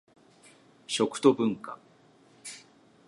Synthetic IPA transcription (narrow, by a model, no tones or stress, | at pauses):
ɕo̞kɯ̟̥t̪o̞bɯ̟̃ŋka̰